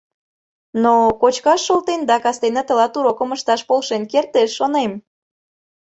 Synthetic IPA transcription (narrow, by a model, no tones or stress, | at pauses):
nokot͡ɕkɑʃːolt̪end̪ɑkɑst̪enət̪ə̆lɑt̪uɾokə̆məʃt̪ɑʃpolˠʃenkert̪eʃːonem